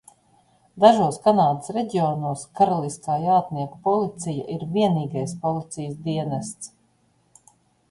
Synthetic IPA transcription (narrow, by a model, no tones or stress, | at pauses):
d̪aʒuɔskanaːd̪əsɾɛɟiɔnuɔskaɾalˠisk̪aːjaːt̪niɛkpɔlˠit̪sija̰ʔiɾviɛniːɡajspɔlˠit̪sijəsd̪iɛnast̪s